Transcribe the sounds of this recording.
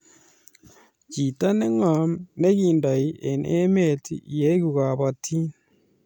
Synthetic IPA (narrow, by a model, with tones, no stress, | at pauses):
ci˨ta˦ne˦ŋa˨ne˦kiː˨nda˨ji˦ʔe˨nʔe˦me˦˨tḭ˨je˦ku˨ɣa˨βa˨tʰi˦n